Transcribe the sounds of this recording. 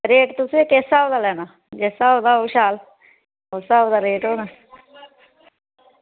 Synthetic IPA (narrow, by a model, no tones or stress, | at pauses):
ɾeːʈt̪ʊseːkeːsaːoːd̪aːlɛːnaː | d͡ʒeːsaːoːd̪aːoːʃaːl | oːsaːod̪aːɾeːʈoːnaː